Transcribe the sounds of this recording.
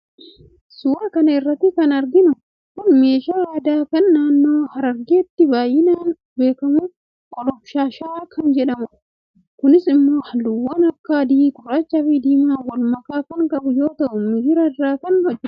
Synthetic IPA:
sʊwɐkɐnɐɪrːɐt̪ːɪkɐnɐɾɡɪnʊ | kʊnme̞ːʃaːaːd̪aːkɐnːaːnːoːhɐɾɐɾɡeːt̪ːɪbaːjɪnaːn | be̞ːkɐmʊ | kʼɔlɔfʃaːʃaːkʰɐnd͡ʒɛᶑɐmʊ | kʊnɪsɪmːoːhɐlːʊwːɐnɐkːaːd̪iːkʊraːt͡ʃːɐfid̪iːmaːwɐlmɐkaːkɐŋkʼɐbʊjo̞ːt̪ɐʔʊmɪɡɪɾɐaːkɐnhɔd͡ʒːɪɾ

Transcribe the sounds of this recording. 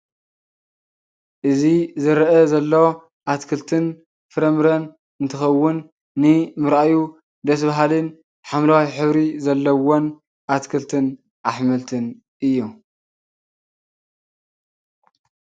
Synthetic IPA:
ʔɨzizɨɾɐʔɐzɐlːo | ʔat̪kʰɨlt̪ʰɨn | fɨɾɐmɾɐn | ɨnt̪ʰɨxɐwːʊnː | ɨmɨɾaju | d̪ɐs̬baɦalɨn | ħamlawijħɨβɾizɐlːɐwon | ʔat̪kʰɨlt̪ʰɨn | ʔaħmɐlt̪ʰɨn | ʔɨjːu

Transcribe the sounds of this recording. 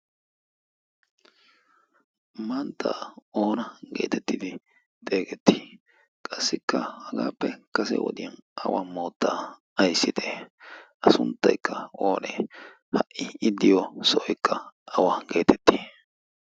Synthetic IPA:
mant̪ːaːoːnɐɡe̞̰ːt̪ɛt̪ːɪd̪ɪ | t̪ʼeːɡɛt̪ːi̥ | kʼɐsːɪkːɐhɐɡaːpːɛkɐsɛ̰wɔ̰d̪ɪjɐnɐwamo̞ːt̪ːaː | ɐjsːɪd̪e | ɐsʊnt̪ːɐjkːɐoːnɛ | hɐʔɪɪd̪ːɪjosɔʔɔjkːɐɐwaɡe̞ːt̪ɛt̪ːi

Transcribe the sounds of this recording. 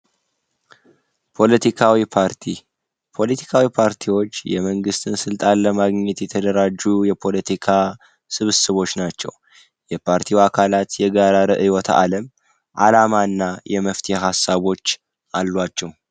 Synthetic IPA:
pʰo̞lət̪ʰikʰawipʰaɾt̪ʰi | pʰo̞lət̪ʰi̥kʰawipʰaɾt̪ʰiwo̞t͡ʃːjɛməŋɡɨst̪ʰɨnsɨlt̪ʼanləmaɡɲːɛt̪jɛt̪ʰəd̪əɾad͡ʒːujɛpʰo̞lət̪ʰikʰa | sɨβsɨβo̞t͡ʃːnat͡ʃːɛ̰w | jɛpʰaɾt̪ʰiwakʰalat̪jɛɡaɾaɾɨʔɨwɔt̪ʰa̰ləm | ʔalamanːajɛməft̪ʰehɦasːaβo̞t͡ʃː | ʔalːwat͡ʃːɛw

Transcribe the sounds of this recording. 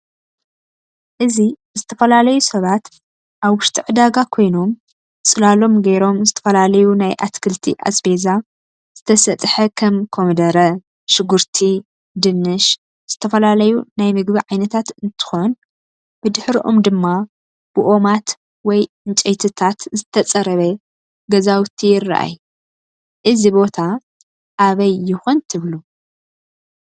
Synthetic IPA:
ʔɨzi | zɨt̪ʰɐfɐlalɐjusɐβat̪ | ʔaβwʊʃt̪ʰʼiʕɨd̪aɡakʰo̞jnom | sʼɨlalo̞mɡɐɾo̞mzɨt̪ʰɐ̥fɐlalɐjunajʔa̰t̪kʰɨlt̪ʰḭʔa̰sbeza | z̥ɨt̪ʰɐsɐt̪ʼħɐkʰɐmkʰomd̪ɐɾɐ | ʃɨɡuɾt̪ʰi | d̪ɨnːɨʃ | z̥ɨt̪ʰɐfɐlalɐjunajmɨɡbiʕajnɐt̪ʰat̪ɨnt̪ʰɨ̥xon | b̥ɨd̪ɨħɾiʔo̰md̪ɨmːa | b̥ɨʔo̞mat̪ | wɔj | ɨnt͡ʃʼɛjt̪ʰɨt̪ʰat̪zɨt̪ʰɐt͡sʼɐɾɐβe | ɡɐzawt̪ʰijɪrːa̰ʔa̰j | ʔɨzibo̞t̪ʰa | ʔaβɐjːɪxont̪ʰɨβlu

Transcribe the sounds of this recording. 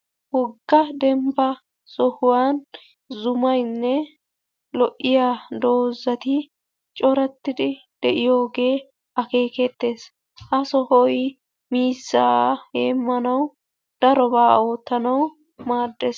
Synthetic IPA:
hɔɡːɐd̪ɛmbɐ | sɔhʊwaːn | zʊmɐjnːɛ | lɔʔɪjad̪o̞ːzːɐt̪ɪ | t͡ʃʼɔɾɐt̪ːɪd̪ɪ | d̪̥ɛʔɪjo̞ːɡe̞ː | ɐke̞ːkɛt̪ːe̞ːs | ʔɐsɔhɔj | miːsːaːheːmːɐnɐw | d̪̥ɐɾɔbaːoːt̪ːɐnɐw | maːd̪ːes

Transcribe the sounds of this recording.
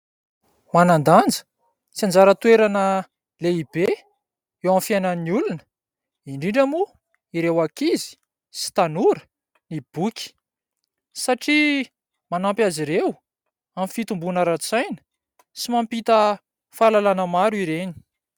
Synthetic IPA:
manand̪and͡zə̥ | t͡siand͡zaɾət̪ueɾanə | leibe | ewamfjajnaniulunə | iɳɖ͡ʐiɳɖ͡ʐamu | iɾewakizi̥ | si̥t̪anuɾə̥ | nib̥ukʲi̥ | saʈ͡ʂi | manampjaziɾew | amfit̪umbunəɾat͡sajnə̥ | simampit̪ə | falalanəmaɾiɾeni̥

